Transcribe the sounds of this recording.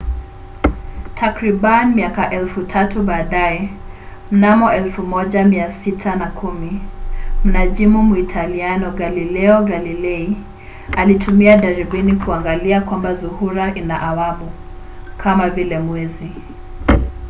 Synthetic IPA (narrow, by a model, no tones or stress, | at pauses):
tʰakɾiɓanimiakaʔɛlfutʰatuɓaːɗaɛ | m̩namɔɛlfumɔʄamiasitʰanakʰumim̩naʄimumuitʰalianɔɡalilɛɔɡalilɛi | alitumiaɗaɾibinikuaŋɡaliakwambazuhuɾaʔinaʔawaɓu | kʰamavilɛmwɛzi